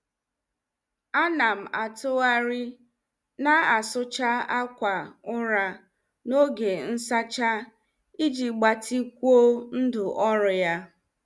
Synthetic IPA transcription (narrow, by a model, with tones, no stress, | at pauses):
a˦na˨m̩˨a˨tʊ˦a˦ɾi˦ | na˦a˨sʊ˦t͡ʃa˦a˦kʷa˨ʊ˦ɾa˨ | no˦ɡe˨n̩˦sa˦t͡ʃa˦ | i˦d͡ʒi˨ɡ͡ba˨tʰi˦kʷu˦o˦n̩˦dʊ˨ʔɔ˦ɾʊ˨ja˦